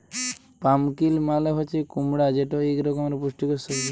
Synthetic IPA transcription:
pamkilmaleɦot͡ʃʰekumɽad͡ʒeʈoekɾɔkɔmɾepuʃʈikɔsɔi

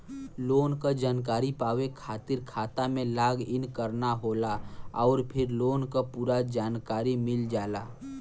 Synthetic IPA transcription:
loːnkad͡ʒaːnkaːɾipaːʋekʰaːt̪ɪɾkʰaːt̪amẽlaːɡɪnkəɾnaɦoːlaɔːɾpʰɪɾloːnkapuːɾad͡ʒaːnkaːɾimɪld͡ʒaːlaː

